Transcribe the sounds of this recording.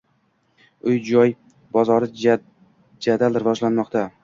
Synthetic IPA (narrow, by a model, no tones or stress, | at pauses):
ʊjd͡ʒɒj | bɒzɒɾɪ | d͡ʒad̪alɾɪvɒʒlanmɒqt̪a